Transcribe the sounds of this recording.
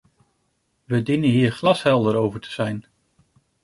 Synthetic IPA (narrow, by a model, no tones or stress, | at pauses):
ʋədinənɦiːɹχlɑsɦɛlˠdəɾowvəɹtʰə̥z̥ɛjn